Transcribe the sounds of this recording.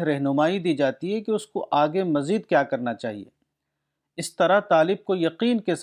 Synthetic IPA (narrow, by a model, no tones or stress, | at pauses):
ɾɛɦnʊmaːid̪iːd͡ʒaːt̪iɦɛkeʊskoʔaːɡemɐziːd̪kjaːkɐɾnat͡ʃaːɦiḛː | ɪst̪ɐɾat̪aːlɪb̚kojɐqiːnkes